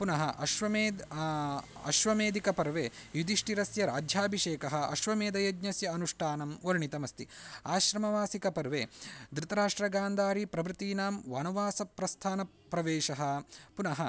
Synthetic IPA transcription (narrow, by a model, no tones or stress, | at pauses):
punɐɦɐʔɐʃʋɐmeːd̪ | ɐ̰ʃʋɐmeːd̪ikɐpɐɾʋeːjud̪iʂʈiɾɐsjɐɾa̰ːd͡ʒʱjaːbʱiʂeːkɐɦɐ̆ʔɐ̰ʃʋɐmeːd̪ɐjɐd̪ɲɐsjɐɐnuʂʈʰaːnɐmɐɾɳit̪ɐmɐst̪iaːʃɾɐmɐʋaːsikɐpɐɾʋeːd̪ɾut̪ɐɾaːʂʈɾɐɡaːnd̪ʱaːɾipɾɐʋɾɨt̪iːnaːmʋaːnuʋaːsɐpɾɐst̪ʰaːnɐ | pːɾɐʋeːʃɐɦɐ̆punɐɦɐ